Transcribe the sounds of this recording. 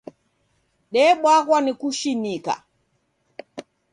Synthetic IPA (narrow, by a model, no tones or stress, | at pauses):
ɗɛɓwaɣwanikuʃinika̰